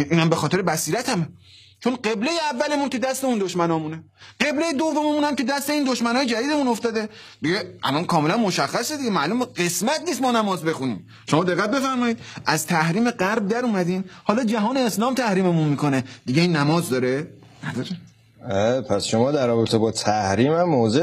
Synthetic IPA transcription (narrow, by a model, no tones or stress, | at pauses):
ʔiːnhæmbe̞xɒːt̪e̞ɾebæsiːɾæt̪ʰæme | t͡ʃʰonɢe̞blejeævːælemunke̞d̪æst̪eund̪oʃmænɒːmune | ɢe̞blejed̪ovːomemunhæmke̞d̪æst̪eiːnd̪oʃmænɒːjed͡ʒæd̪iːd̪emunoft̪ɒːd̪e̞ | d̪iɟeʔæ̰lɒnkʰɒːme̞lænmoʃæxːæsed̪iɟemæːluːmeɢe̞smæt̪ʰniːs̬t̪mɒːnæmɒːzbe̞xuniːm | ʃomɒːd̪eɣːæt̪̚be̞fæɾmɒːjiːd̪æzt̪ʰæhɾiːme̞ɢæɾb̚d̪æɾuːmæd̪iːnhɒːlɒːd͡ʒæɦɒːneːslɒːmt̪ʰæhɾiːmemunmiːkoned̪iɡeiːnːæmɒːzd̪ɒːɾe | næd̪ɒːɾe | epʰæsʃomɒːd̪æɾːɔːbet̪ʰebɒːt̪ʰæhɾiːmæmːoːze